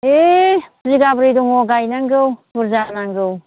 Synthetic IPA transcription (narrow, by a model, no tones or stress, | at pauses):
eziɡabɾiduŋɔɡajnaŋɡɯwbuɾzanaŋɡɯw